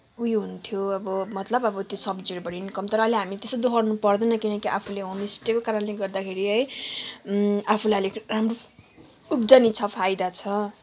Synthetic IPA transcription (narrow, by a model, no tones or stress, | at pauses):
ujɦunt̪ʰjoʌbʌmʌt̪lʌbʌbʌt̪josʌbd͡ziɾbʌɽinkʌmt̪ʌɾʌʌliɦamit̪est̪od̪oɦʌrnupʌrd̪enʌkinʌkiʔapʰuleɦʌ̃misʈekokaɾʌnleɡʌrd̪akʰeɾiɦʌj | apʰulaʌleramro | upd͡zʌnit͡sʰʌpʰajd̪at͡sʰʌ